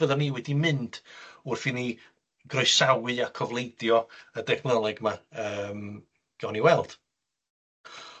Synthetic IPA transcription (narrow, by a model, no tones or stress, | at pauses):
əðəniːwɛdimɨnd̥ʊrfini | ɡ̥rɔjsawɨakʰɔvlˠejdjɔədɛχnəlˠɛɡmaəːm | ɡ̥ɔniwɛlˠd̥